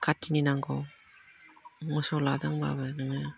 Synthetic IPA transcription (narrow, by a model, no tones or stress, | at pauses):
kʰatʰːininaŋɡɔw | mɯsɔladɯŋba̰bɯnɯŋɯj